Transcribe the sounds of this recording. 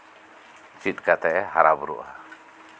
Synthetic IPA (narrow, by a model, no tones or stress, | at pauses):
t͡ʃit̪̚kat̪ɛʔɛhaɾabuɾṵʔha